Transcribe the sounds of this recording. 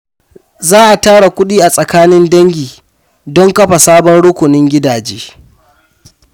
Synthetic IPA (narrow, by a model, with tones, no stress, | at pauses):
zaː˦ʔa˨taː˦ɽa˨kʷʊ˦ɗiː˦ʔa˨sʼɐ˨kaː˦nɪ˦ndɐ˦ŋɡʲiː˨ | dɔ˦ŋkɐ˦ɸa˨saː˦bɔ˦nɽʊ˦kʷʊ˨nɪ˦ŋɡʲɪ˦daː˨d͡ʒeː˦